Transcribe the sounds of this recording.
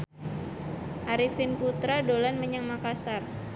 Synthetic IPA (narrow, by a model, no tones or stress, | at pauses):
ʔaɾifɪnput̪ɾadolanməɲaŋmakasar